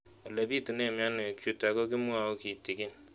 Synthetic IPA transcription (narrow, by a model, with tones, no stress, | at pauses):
o˨le˨bi˦tu˨ne˦˨mja˦ne˨ku˦ta˨ko˦k̬i˦mu˦a˨o˦ki˨ti˨ki˦n